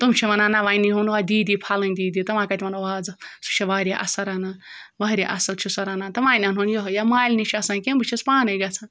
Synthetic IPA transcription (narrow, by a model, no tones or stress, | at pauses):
t̪umt͡ʃʰiʋɐnaːnaʋaːiniɦunʋaːd̪iːd̪ipʰaːlɐnd̪iːd̪it̪ɐʋãːkat̪imɐnɐʋaːd͡zɨsu̥t͡ʃʰiʋaːɾʲjaʔɐsɐɾana | ʋaːɾʲaʔɐsɐlt͡ʃʰisɐɾaːnaːt̪ɐʋãːnʲanɦunjoɦɐjamaːjlnit͡ʃʰiɐsãːnkʲẽmbɨt͡ʃʰispaːnɐɡɐt͡sʰan